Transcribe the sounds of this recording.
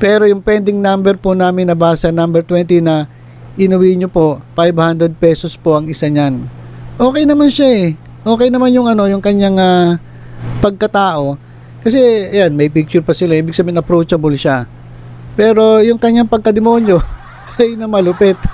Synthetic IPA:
pɛːɾo̞jʊŋpɛnd̪ɪŋnambɛɾpʊnaːmɪnːɐbaːsɐnambɛɾt̪wɛnt̪inɐ | ʔɪnɐwiɲopo̞ʔfajbhand̪ɾɛd̪̚pɛso̞spoʔɐŋɪsaɲanʔo̞ːkɛjnɐmanʃaɛ | ʔo̞ːkɛjnɐmanjʊŋʔɐno̞jʊŋkɐɲːaŋa | pɐɡ̚kɐt̪aːʔo̞ | kɐsɛɐjanmɐjpik̚t͡ʃʊɾpɐsɪlaʔiːbɪɡ̚sɐbeːhɪnɐpɾowt͡ʃɐbolʃa | pɛːɾo̞jʊŋkɐɲːaŋpɐɡ̚kɐd̪ɪmo̞njo̞ | ɐjnɐmɐlʊpɛt̪

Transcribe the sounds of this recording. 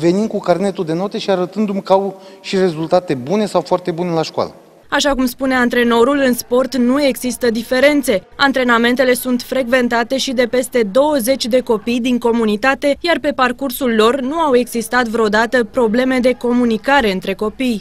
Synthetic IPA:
ve̞nind̪̚kukarne̞t̪ud̪e̞no̞t̪eʃiaɾət̪ɨnd̪umkəawʃire̞zult̪at̪e̞bune̞sawfoart̪e̞bunelaʃkoa̰lə | aʃakumspune̞ant̪ɾe̞no̞ɾulɨnspo̞rt̪nue̞ɡzist̪əd̪ife̞ɾe̞nt̪se̞ant̪ɾe̞name̞nt̪e̞le̞sunt̪fɾe̞ɡve̞nt̪at̪e̞ʃid̪e̞pe̞st̪e̞d̪o̞wəze̞t͡ʃʲd̪e̞ko̞pijd̪iŋko̞munit̪at̪e̞jarpe̞parkursulːo̞rnuawe̞ɡzist̪at̪vɾeod̪at̪əpɾo̞ble̞me̞d̪e̞ko̞munikaɾe̞ɨnt̪ɾe̞ko̞pij

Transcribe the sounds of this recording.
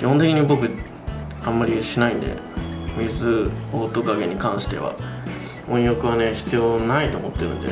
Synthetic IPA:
kʲihont̪e̞kʲiɲ̟ibo̞k̬ɯ̟ | ãmːaɾʲiɕinaĩnd̪ḛmʲizɨoːt̪o̞kaɡe̞ɲ̟ikãɰ̃ɕi̥t̪e̞̰βa̰ | õ̞ɰ̃jokɯ̟βane̞çi̥t͡sɨjo̞ːnait̪o̞ːmo̞t̪ːe̞ɾɯ̟̃nd̪e

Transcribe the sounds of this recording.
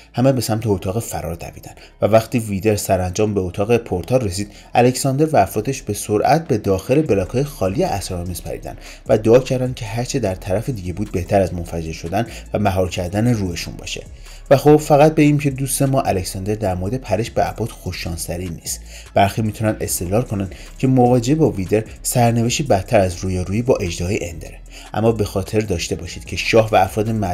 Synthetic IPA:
hæmebe̞sæmt̪ʰeot̪ʰɒːɣefæ̰ɾɒ̰ːɾd̪æ̰vḭːd̪æn | vævæxt̪ʰiːviːd̪eɾsæɾænd͡ʒɒːmbeot̪ʰɒːɣe̞pʰoɾt̪ʰɒːre̞s̬iːd̪̥ | æle̞csɒnd̪e̞ɾvæːfɾɒːt̪ʰe̞ʃb̥e̞soɾʔæ̰t̪̚ʰbe̞d̪ɒːxe̞le̞be̞lɒːkʰhɒːjexɒːlijeʔæsɾɒmiːzpʰæ̰ɾḭd̪æ̰n | væd̪oɒːcʰæɾd̪ænd̪cʰe̞ɦæɾt͡ʃʰed̪æɾt̪ʰæɾæfed̪iːɟe̞buːd̪̚be̞ht̪ʰæɾæzmonfæd͡ʒe̞ɾʃo̞d̪æn | væmæɦɒːɾcʰæɾd̪æneruːeʃṵnbɒ̰ːʃe̞̰ | væxo̞bfæɣæt̪̚beɟiːmcʰe̞d̪uːst̪e̞mɒːʔæle̞csɒnd̪e̞ɾd̪æɾmoɾed̪e̞pʰæɾeʃbeæbɒːt̪xo̞ʃːɒːnsæɾinḭːst̪ | b̥æɾxiːmiːt̪ʰunænd̪e̞̰st̪e̞lɒːɾkʰo̞næn | cʰe̞movɒːd͡ʒeebɒːvid̪eɾ | sæɾneveʃt̪ibæt̪ʰːæɾæzɾuːjeɾuːiːbɒːʔe̞d͡ʒd̪ɒjeʔend̪eɾe | ʔæ̰mːɒbe̞xɒːt̪ʰe̞ɾd̪ɒːʃt̪e̞bɒːʃiːd̪̥cʰe̞ʃɒːhvæːfɾɒːd̪emæ

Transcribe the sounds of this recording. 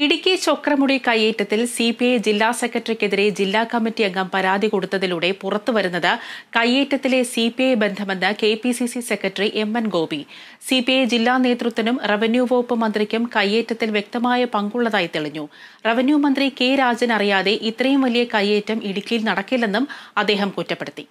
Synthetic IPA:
iɽikʲːit͡ɕo̞krɐmuɽikɐjːeːtːɐt̪ːilsipied͡ʑilːaːsekːrɐʈːɐrikʲːe̞ðiɾe̞d͡ʑilːaːkɐmːitːijeŋɡɐmpɐɾaːd̪ʱiko̞ɽut̪ːɐðiluɽe̞purɐt̪ːɨʋɐɾunːɐðɨkɐjeːtːɐt̪ːile̞sipiebe̞nd̪ʱɐme̞nːɨke̞ːpisisisekːɐtːɐriʔe̞mːɐnɡo̞ːbi | sipied͡ʑilːaːne̞ːt̪rɨt̪ːʋɐnumreʋɐnjuʋo̞ːpːɨmɐnd̪rikʲːumkɐjːeːtːɐt̪ːilʋjek̚t̪ɐmaːjɐpɐŋɡuɭːɐðaːjit̪iɭiɲːureʋɐnjumɐnd̪rike̞ːɾaːd͡ʑɐnɐrijaːðe̞ʔit̪ːrɐjumʋɐlijɐkɐjːeːtːɐmiɽikʲːɐilnɐɽɐkːilːenːumɐd̪ːeːɦɐmkutːɐpːeɽut̪ːi

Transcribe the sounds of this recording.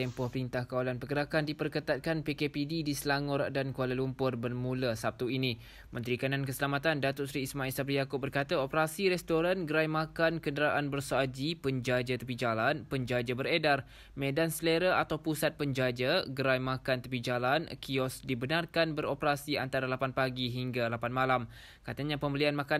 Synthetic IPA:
t̪ɛmpɔhpəɾint̪ahkawalanpəkəɾakandipərkət̪at̪̚kanpekepididisəlaŋɔrdankualalumpʊrbərmũlasap̚t̪uini | mə̃nt̪ɾikanankəsəlamat̪andat̪ʊt̚sɾiːsmãilsabɾijakʊp̚bərkat̪aopəɾasiɾɛst̪oɾanɡəɾajmakankəndəɾaʔanbərsoad͡ʒipəɲd͡ʒad͡ʒat̪əpid͡ʒalanpəɲd͡ʒad͡ʒabəɾedar | mẽdansleɾaat̪awpusat̪̚pəɲd͡ʒad͡ʒaɡəɾajmakant̪əpid͡ʒalankiɔsdibənarkanbəɾopəɾasia̰nt̪aɾalapanpaɡiɦiŋɡalapanmalam | kat̪aɲãpəmbəlianmaka

